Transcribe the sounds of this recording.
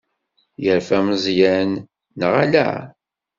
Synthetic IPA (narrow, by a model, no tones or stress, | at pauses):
jəɾfæmzˤjænː | ʁælæ̰